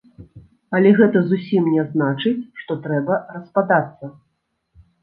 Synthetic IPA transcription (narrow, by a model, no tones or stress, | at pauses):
ɐlʲɛɣɛt̪ɐzusʲimnʲɛznat͡ʂɨt͡sʲʂt̪ɔt̪ɾɛbɐrɐspad̪at̪sːɐ